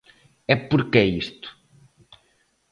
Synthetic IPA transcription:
ɛpuɾkeist̪u̥

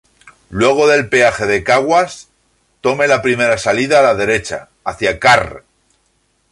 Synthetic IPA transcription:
lwe̞ɣ̞o̞ðe̞lpe̞axe̞ðe̞kaɣwas | t̪o̞me̞lapɾime̞ɾasaliðaːlaðe̞ɾe̞t͡ʃa̰ː | θjakar

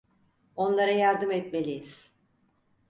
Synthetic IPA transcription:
o̞nlˠaɾajaɾd̪ɯmɛt̪me̞lʲijiz̥

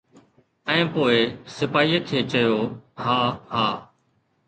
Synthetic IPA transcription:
ɛ̃ːpoːɪsɪpaːiːət̪ʰeːt͡ʃəjoːhaːhaː

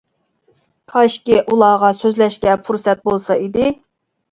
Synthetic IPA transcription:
t̪ʰɑʃkʲiʔulˠɑːʁɑsøzlɛʃkʲɛpʰuɾsɛt̪̚bolˠsɑid̪ɪ

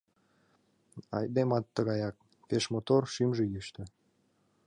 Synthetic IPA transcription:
ɑ̰jd̪emɑt̪ːəɣɑjɑk̚ | peʃmot̪orʃimʒejyʃt̪ĕ

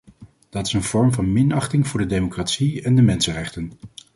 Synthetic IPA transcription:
d̥ɑtɪ̥sənv̥ɔɹmvɑnmɪnɑχtɪŋvʊːɹdədejmokratsiɛndəmɛnsənrɛχtən

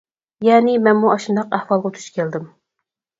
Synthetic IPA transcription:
jɛːnɪmɛnmuɑʃund̪ɑqæhwɑlˠʁɑt̪ʰu̥ʃkʲʰɛld̪ɪm

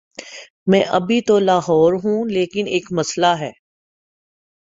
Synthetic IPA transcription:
mɛ̃ːʔɐbʱit̪olaːɦɔːɾɦũːleːkɪneːkmɐslaɦɛː

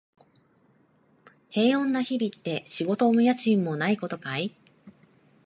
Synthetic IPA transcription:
he̞ːõ̞nːaçibʲit̪ːe̞ɕiɡo̞t̪o̞mɯ̟jat͡ɕĩmːo̞naiko̞t̪o̞kai

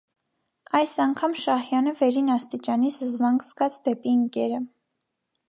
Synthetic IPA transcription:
ɑjsɑŋkʰɑmʃɑhjɑnəvɛɾinɑst̪it͡ʃɑnisəzvɑŋɡsɡɑt͡sʰd̪ɛpiəŋkɛɾə

